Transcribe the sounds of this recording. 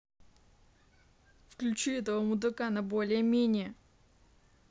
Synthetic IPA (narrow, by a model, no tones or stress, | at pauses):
fklʲʉt͡ɕuɛt̪əvəmʊd̪ɨkanɐbolʲɪjəmʲenʲɪjə